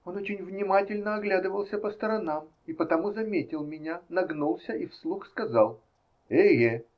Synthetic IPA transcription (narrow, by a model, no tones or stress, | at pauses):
o̞not͡ɕɪnʲvnʲɪmatʲɪlʲnəɐɡlʲad̪ɨvəlˠsʲəpəst̪əɾɐnam | ipət̪ɐmuzɐmʲetʲɪlˠmʲɪnʲanɐɡnulˠsʲəʔifslˠuxskɐzalˠ | eje